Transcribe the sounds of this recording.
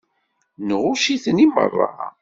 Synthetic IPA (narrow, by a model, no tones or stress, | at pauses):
nʁʊʃiθənimə̰rˤːɑ̰